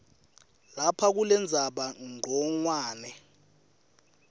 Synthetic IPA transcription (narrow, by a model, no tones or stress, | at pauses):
lapʰak̬ulɛnd͡zʱaɓaŋ͡ǃʱɔŋwaːnɛ